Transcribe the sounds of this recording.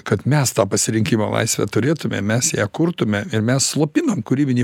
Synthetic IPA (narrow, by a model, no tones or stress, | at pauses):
kɐt̪mʲɛst̪ɑːpɐsʲɪɾʲɪŋʲkʲiːmo̰ːlˠɐ̰ɪsʲʋʲɛ̰t̪ʊɾʲeːt̪ʊmʲɛ̰mʲɛsjæːkʊrt̪ʊmʲɛɪɾmʲɛsslˠoːpʲɪnomkʊɾʲiːbʲɪnʲiː